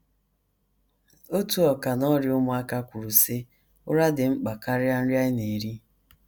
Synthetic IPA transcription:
o˦tu˨ɔ˨ka˨nɔ˦ɾɪ˨˦ʊ˦mʊ˦a˦ka˦kʷu˨ɾu˨se˦ | ʊ˦ɾa˦dɪ˨ŋ͡m̩˦k͡pa˨ka˦ɾja˦n̩˦ɾja˦ɪ˦ne˨ɾi˦

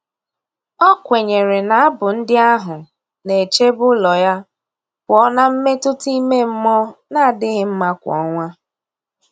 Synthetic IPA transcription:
ɔ˦kʷe˨ɲe˨ɾe˨na˨a˦bʊ˨n̩˦dɪ˦a˦ɦʊ˨ | ne˨t͡ʃe˦bʊ˦lɔ˨ja˦ | kɔ˦na˦m̩˦me˦tʊ˦ti˦me˦m̩˦mɔ˦na˦˨dɪ˦ɣɪ˦m̩˦ma˦kʷɔ̰˦ŋʷa˦

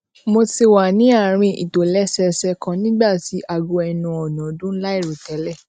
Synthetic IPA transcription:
mo˧ti˧wa˨nĩ˨˦a˦˨ɾ̃ĩ˧ḭ˨to˨lɛ˨˦sɛ˧sɛ˧kã˧nĩ˦ɡ͡ba˦˨ti˨˦ʔa˧ɡo˧ɛ˧nũ˧ɔ˨nɔ̃˨˦dũ˦la˦i˦˨ɾo˨tɛ˨˦lɛ˦˨

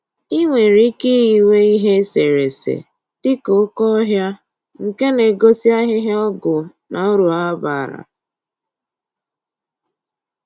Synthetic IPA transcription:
i˦ŋʷe˨ɾi˦ki˦i˨we˦i˦ɦe˦se˨ɾe˨sḛ˨ | d̥ɪ˦ko˦kɔ˦ɦja˦ | ŋ̩˨ke˦ne˨ɡo˦si˦a˦ɦɪ˦ɦe˦ɔ˦ɡʊ˨ | na˨o˦ɾu˨a˦ba˨ɾa̰˨

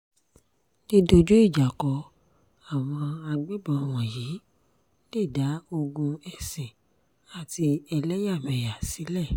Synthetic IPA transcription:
ne˦do˧d͡ʒu˦i˦˨d͡ʒa˨kɔ˧˦ | a˨w̃ɔ̃˧a˧ɡ͡be˦bɔ˧w̃ɔ̃˨jiː˨˦ | le˦˨da˨˦o˧ɡũ˧ɛ˨sɛ̃˨ | a˨ti˧ɛ˧lɛ˦ja˦˨mɛ̃˨ja˨si˨˦lɛ˦˨

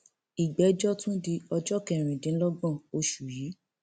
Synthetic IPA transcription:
i˨ɡ͡bɛ˨˦d͡ʒɔ˦tũ˦di˧ɔ˧d͡ʒɔ˦kɛ˧˨ɾ̃ĩ˨dĩ˨˦lɔ˦ɡɔ̃˦˨o˧ʃu˨jiː˨˦

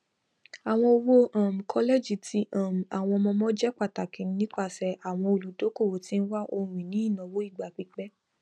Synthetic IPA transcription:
a˨w̃ɔ̃˧o˧wo˦ʔã˨m̩˨kʰɔ˧lɛ˦˨d͡ʒi˨˦tʰi˦ʔã˦˨m̩˨a˨w̃ɔ̃˧mɔ̃˧mɔ̃˦d͡ʒɛ˦k͡pa˦˨ta˨kĩ˨˦n˦nĩ˦k͡pa˦˨sɛ˧ʔa˨w̃ɔ̃˧o˧lu˨do˨˦ko˦˨wo˨˦ti˦n̩˦wa˦ʔo˧ɾ̃ĩ˨nĩ˨˦i˦˨nã˨wo˦i˦˨ɡ͡ba˨k͡pi˧k͡pɛ˦

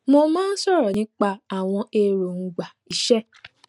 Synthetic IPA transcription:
mo˧mãː˦n̩˦sɔ˦˨ɾɔ˨nĩ˨˦k͡pa˧a˨w̃ɔ̃˧e˧ɾo˨ŋ̩˨ɡ͡ba˨i˨˦ʃɛ˦

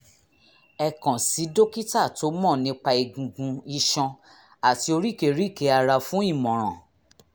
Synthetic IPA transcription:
ɛ˨kã˨si˨˦do˦ki˦ta˦˨to˨˦mɔ̃˦˨nĩ˧˦k͡pa˧i˧ɡũ˨ɡũ˧i˧ʃɔ̃˧ | a˨ti˧˦o˧ɾi˦˨ke˨ɾi˨˦˨ke˧˦a˧ɾa˧fũ˨˦i˦˨mɔ̃˨ɾ̃ã̰˨

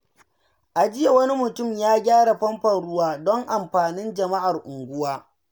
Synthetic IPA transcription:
ʔa˨d͡ʒɪ˦ja˨wɐ˦ni˦mʊ˨tʊ˦˨mjaː˦ɡʲaː˦ɽa˨ɸɐ˦mɸɐ˨nɽʊ˦waː˦dɔ˦ŋʔa˨mɸaː˨nɪ˦nd͡ʒɐ˨ma˦ʔa˨rʔʊ˨ŋɡʷʊ˦waː˦

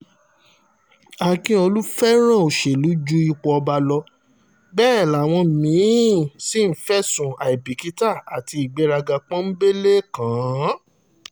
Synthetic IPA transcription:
a˨kĩ˧˦o˧lu˦fɛ˦ɾ̃ã˦˨o˨ʃe˨lu˨˦d͡ʒu˦i˧k͡pɔ˧ba˧lɔ˧ | bɛː˦˨la˨˦˨w̃ɔ̃˧mĩ˨˦si˦m̩˦fɛ˦sũ˨a˨i˨bi˨ki˨˦ta˦˨a˨ti˨˧i˨ɡ͡bɛ˨˦ɾa˧ɡa˧k͡pɔ̃˦m̩˦be˦le˦kã˨˦

